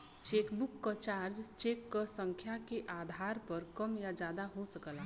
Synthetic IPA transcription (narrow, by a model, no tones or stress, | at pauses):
t͡ʃeːkbukːat͡ʃaːɾd͡ʒt͡ʃeːkːəsə̃ŋkʰjakeʔaːd̪ʱaːɾpəɾkəmjad͡ʒaːd̪aɦosəkəla